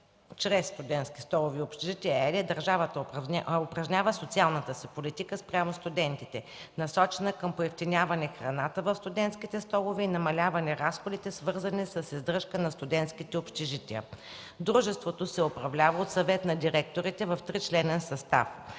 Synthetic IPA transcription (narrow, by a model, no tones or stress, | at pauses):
t͡ʃɾɛsːt̪ʊd̪ɛnt̪skʲi̥st̪ɔlˠoviopʃt̪ɛʒit̪ɛəɛɾiɛd̪əɾʒavət̪əopɾɐʒnʲavəsot̪sialˠnət̪əsɛpolit̪ikəspɾʲamost̪ʊd̪ɛnt̪it̪ɛ | nɐsɔt͡ʃɛnəkəmpoɛft̪inʲjavɐnɛxɾɐnat̪əvəfst̪ʊd̪ɛnt̪skit̪ɛst̪ɔlˠoviːnɐmɐlʲavɐnɛɾasxod̪it̪ɛsvɤɾzənisəsizd̪ɾɤʃkənɐst̪ʊd̪ɛnt̪skit̪ɛopʃt̪ɛʒit̪ɛə̰ | d̪ɾuʒɛst̪vot̪osɛʊpɾɐvlʲavəot̪sɐvɛt̪nɐd̪iɾɛk̚t̪oɾit̪ɛvɐft̪ɾit͡ʃlɛnɛnsɐst̪a̰f